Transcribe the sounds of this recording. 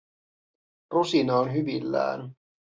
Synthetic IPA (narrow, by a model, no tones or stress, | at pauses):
rusinɑonɦyʋilːæ̰ːn